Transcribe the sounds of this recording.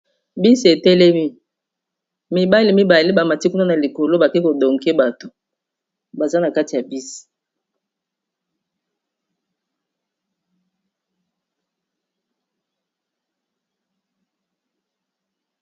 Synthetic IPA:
bi˦se˨tɛ˦lɛ˦mi˦ | mi˨ba˦li˨mi˦ba˨li˦ba˨ma˨ti˦ku˦na˦na˨li˨ko˨lo˦ba˨ke˦ko˨do˨ŋɡe˦ba˨to˦ | ba˨za˦na˨ka˦ti˨ja˨bi˦si̥˨

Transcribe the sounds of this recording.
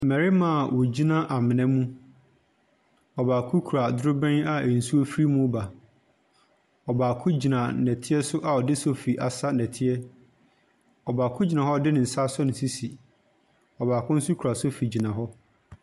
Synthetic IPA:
m̩mɛ˨ɾɪ˦mã˨wʔɔ˨d͡ʑi˦nã˦ʔa˨mɪ̃˨nɛ̃˦mũ˦ | ɔ˨baː˨kʰʊ˦kʰu˨ɾa˨dʊ˦ɾʊ˦bɛ̃˦na˨n̩˨su˦o˦fɾi˦mũ˦ba˨ | ɔ˨baː˨kʰʊ˦d͡ʑi˨nã˨nɛ˨tʰɪ˦ɛ˦sʊ˦ʔa˨ɔ˨dɪ˦so˦fi˨ʔa˨sa˦nɛ̃˨tʰɪ˦ɛ˦ | ɔ˨baː˨kʰʊ˦d͡ʑi˨nã˨hɔ˦dɪ˦nɪ̃˨n̩˨sa˦sɔ˦nɪ̃˨si˦si˨ | ɔ˨baː˨kʰʊ̃˦n̩˦su˦kʰu˨ɾa˨sʊ˦fi˨d͡ʑi˨nã˨ɦɔ˦

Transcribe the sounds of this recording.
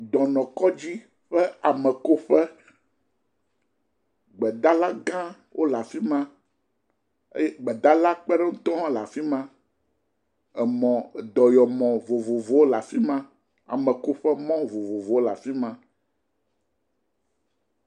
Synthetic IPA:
d̪ɔ̃˨nɔ̃˨kɔ˦d͡ʑi˦ | ɸɛ˦a˨mɛ̃˨ko˦ɸɛ˦ | ɡ͡bɛ˨d̪a˦la˦ɡã˦ | wʔo˦la˨fi˦mã˦ | ḛ˦jɡ͡bɛ˨d̪a˦la˦k͡pɛ˦ɖɛ˦ŋũ˦t̪ɔ̃˦ɦã˦la˨fi˦mã˦ | ɛ˨mɔ̃˨d̪ɔ˨jɔ˨mɔ̃˨vo˨vo˨vo˨˦wo˦la˨fi˦mã˦ | a̰˨mɛ̃˨ko˦ɸɛ˦mɔ̃˦vo˨vo˨vo˨wo˦la˨fi˦mã˦

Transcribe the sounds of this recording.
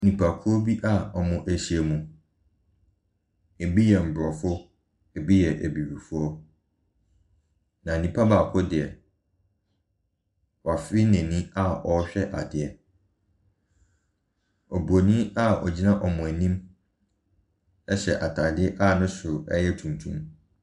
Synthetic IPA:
nĩ˨pʰa˨kʰʊ˦ɔ˦bi˦ʔa˦ɔ˨mʊ̃˨ʔæ˨ɕi˨e˨mũ˨ | e˨bi˦jɛ˨m̩˨bɾɔ˨fʊ˦ | ɛ˨bi˦jɛ˨ʔæ˨bi˨bi˨fʊ˦ɔ˦ | nã˨nĩ˨pʰa˦baː˨kʰʊ˦dɪ˨ɛ˨ | wa˨fɪ˦nɛ̃˨nĩ˦a˦ɔ˨˦ɕᶣɛ˦ʔa˨dɪ˨ɛ˨ | ɔ˨bu˨o˨nĩ˦a˦ɔ˨d͡ʑi˦nã˦ʔɔ˨mʊ̃˨æ˨nĩ˦m | ɛ˦ɕɛ˨ʔa˨tʰaː˨dɪ˦ɛ˦ʔa˦˨nʊ̃˦sʊ˨ɛ̰˦jɛ˦tʰũ˨mtʰṵ̃˦m

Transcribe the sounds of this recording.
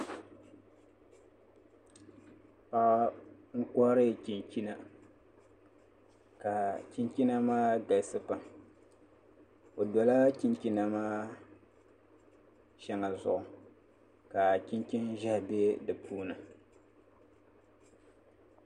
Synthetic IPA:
pa˦ɣŋ̩˦kɔ˦ɾɨ˦˨ki˨nki˦na˦ | ka˨ki˦nki˦na˦maː˦ɡa˨lsɨ˦pa˨m | o˨dɔ˨la˦ki˦nki˦na˦maː˦ | ʃɛ˦ŋa˨zʊ̰˨ʔʊ˨ | ka˨ki˦nki˦n˦ʒa˦hbe˦dɨ˨puː˦nɨ˨

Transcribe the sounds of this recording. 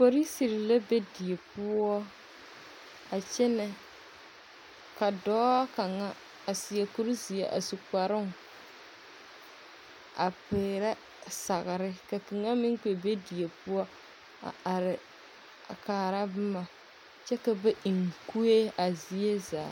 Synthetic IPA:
fo˨ɾi˦si˨ɾɪ˨la˦be˦di˨e˨pʊ˦ɔ˦ | a˨t͡ʃɛ˦nɛ˨ | ka˨dɔː˦a˦ka˨ŋa˦ | a˨si˨je˨ku˦ɾzi˨e˨ʔa̰˨su˨k͡pa˨ɾɪ˦ŋ˨ | a̰˨pɪː˨ɾa˦ | sa˨ɣɪ˨ɾɪ˦ka˨ki˨ŋa˦mɪ˦ŋ˦ke˨be˦di˨e˨pʊ˦ɔ˦ | a̰˨a˨ɾɪ˨ | a̰˨kaː˨ɾa˦bɨ˦ma˨ | t͡ʃɛ˦ka˨be˦ʔi˨ŋ˨ku˦e˦a˨zi˨e˦zaː˨

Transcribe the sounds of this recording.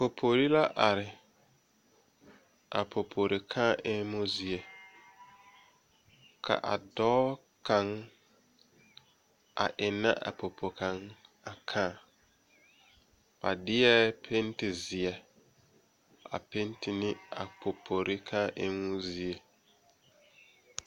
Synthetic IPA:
po˨pʰo˨ɾi˦la˦ʔa˨ɾɪ˨ | ʔa̰˨pʰo˨pʰo˨ɾi˨kʰãː˦ʔɛ˦mʊ̃˦zi˦e˨ | kʰa̰˨ʔa̰˨dɔː˦ | kʰã˨ŋ | a̰˨ʔɪ˨nã̰˦ʔa̰˨pʰo˨pʰo˨kʰã˨ŋ | a˨kʰãː˦˨ | pa˨dɪ˦ɛ˦pʰe˦n˦tɪ˨zɪ˨ɛ˨ | a̰˨pe˦n˦tʰɪ˦nɪ˦a˨pʰo˨pʰo˨ɾʔɪ˦kʰãː˦ʔɪ˦mʊ˦zi˦e˨

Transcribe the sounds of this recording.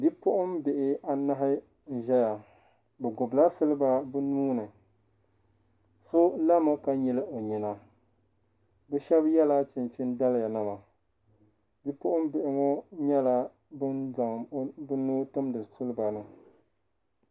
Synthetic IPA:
bi˦pʊ˦ʔʊ˦mbɪ˨ʔɪ˦a˨na˦ɦɪ˦ | n̩˦ʒɛ˦ja˨ | bɛ˨ɡʊ˨bla˦sɨ˦lɨ˦ba˦bɨ˦nuː˦nɨ˨ | so˦la˦mɨ˦ka˦ɲɛ˦lɨ˦ʔo˨ɲi˨na˨ | bɛ˦ʃɛ˦bjɛ˦la˦t͡ʃɪ˨nt͡ʃɪ˦nda˦lja˨nɨ˦ma˨ | bi˦pʊ˦ʔʊ˦m˦bɪ˨ʔɪ˨ŋɔ˦ɲɛ˦la˦ | bɨ˦nza˨ŋ˨˦bɨ˦nuː˦tɨ˦mdɨ˨sɨ˦lɨ˦ba˨nɨ˨

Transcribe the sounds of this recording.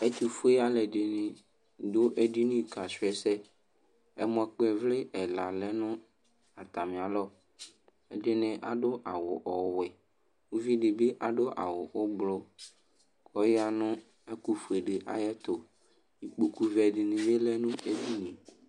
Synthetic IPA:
e˦t̪u˨fu˦e˦a˦lɛ˨dɪ˨nɪ̃˨ | d̪o˦ʔe˦di˦nĩ˦˨ka˨sɛ˦sɛ˦ | ɛ˦mɔ̃˨˦k͡pɛ˨vle˦ʔɛ˨la˨lɛ˦nʊ̃˦ | a˨t̪a˨mẽ˨a˨lɔ˦ | ɛ˦ɖɪ˦nɪ̃˨ʔa̰˨ɖo˦ʔa˨wʊ˨ʔɔ˨we˨ | wu˦vi˦ɖɪ˨be˦ʔa˨ɖo˦ʔa̰˨wʊ˨wo˦ɡ͡blo˦ | kʰɔ˦jɪ˦a˦nʊ̃˦ | ɛ˦ku˦fu˨e˨ɖe˨ʔa̰˨jɛ˦t̪o˨ | i˨k͡po˦ku˦vɛ˨ɖɪ˨nĩ˨be˦lɛ˦nʊ̃˦e˦di˦nĩ˨

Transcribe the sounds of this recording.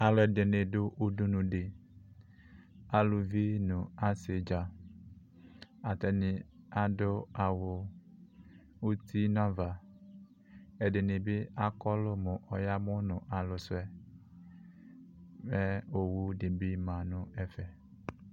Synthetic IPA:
a˨lɔ˨de˨ne˨ɖo˦ʔu˦du˦nũ˨ɖe˨ | a˨lu˨vi˦nũ˨a˦se˨d͡ʒa˨ | a˨t̪ɛ˨nĩ˨a˦do˦a˨wo˨ | wu˦t̪i˦nã˦va˨ | e˨de˨ne˨be˦a˦kɔ˦lo˦mõ˨ʔɔ˨ja˦mɔ̃˦nʊ̃˨ʔa˨lo˨sʊ˦ɛ˦ | mɛ˦o˨wu˦de˨bi˦mã˨nʊ̃˦ɛ˨fɛ˨

